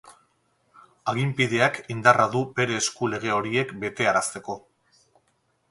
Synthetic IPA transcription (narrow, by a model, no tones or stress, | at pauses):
aɣ̞impiðe̞akind̪araðube̞ɾe̞ːskule̞ɣ̞e̞o̞ɾie̞kbe̞t̪e̞aɾast̪e̞ko̞